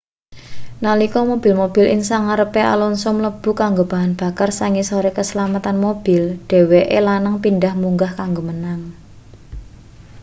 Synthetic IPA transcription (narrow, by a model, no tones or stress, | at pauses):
nalikɔmob̥ɪ̤lmob̥ɪ̤lɪŋsaŋaɾəpeʔa̰lɔnsɔmləb̥ṳkaŋɡob̥a̤ɦanb̥a̤karsaŋisɔɾekəsəlamat̪anmob̥ɪ̤lɖ̥ɛ̤weʔelanaŋpindahmuŋɡahkaŋɡomənaŋ